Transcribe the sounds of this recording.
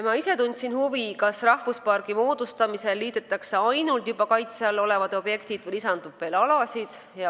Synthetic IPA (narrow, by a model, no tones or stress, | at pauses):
mɑise̞t̪unʲd̪ʲsinhuvikɑsrɑhvuspɑrɡimo̞ːd̪̥ust̪ɑmise̞lːiːd̪̥et̪ːˑɑkseɑjnult̪jubɑkɑjt̪sɑlːo̞le̞vɑd̪̥o̞b̥je̞kt̪id̥̪vejisɑnd̪̥upːˑe̞lɑlɑsid̪̥ | jɑ